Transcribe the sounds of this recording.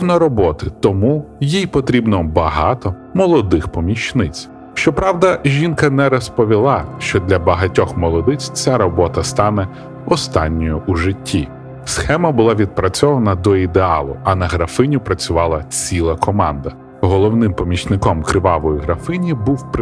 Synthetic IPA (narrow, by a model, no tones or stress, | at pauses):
nɔɾɔbɔt̪ɪt̪ɔmujijpɔt̪ɾʲibnɔbɐɦɑt̪ɔ | mɔlˠɔd̪ɪxpɔmʲiʃt͡ʃnɪt͡sʲ | ʃt͡ʃɔpɾɑwd̪ɐʒʲinkɐnɛɾɔspɔʋʲilˠɑʃt͡ʃɔd̪lʲɐbɐɦɐtʲɔxmɔlˠɔd̪ɪt͡sʲt͡sʲaɾɔbɔt̪ɐst̪ɑnɛ | ɔst̪ɑnʲːɔjʊʔuʒɪtʲːi | sxɛmɐbʊlˠɑʋʲid̪̚pɾɐt͡sʲɔʋɐnɐd̪ɔid̪eɑlˠʊ̰ɐnɐɦɾɐfɪnʲʊpɾɐt͡sʲʊʋɑlˠɐt͡sʲilˠɐkɔmɑnd̪ɐ | ɦɔlˠɔwnɪmpɔmʲit͡ʃnɪkɔmkɾɪʋɑʋɔjiɦɾɐfɪnʲibuwp